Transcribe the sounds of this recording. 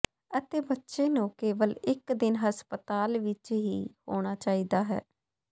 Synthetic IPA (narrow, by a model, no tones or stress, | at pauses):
ət̪eːbətːʃeːnũːkeːʋəlɪkd̪ɪnɦəspət̪aːlʋɪt͡ʃɦiːho̰ːɽ̃aːt͡ʃaːiːd̪aːɦɛ̰ː